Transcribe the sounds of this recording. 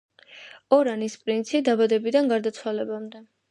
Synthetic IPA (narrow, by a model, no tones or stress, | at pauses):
ɔɾanispʼɾint̪sʰid̪abad̪ɛbid̪anɡaɾd̪at̪sʰwalɛbamd̪ɛ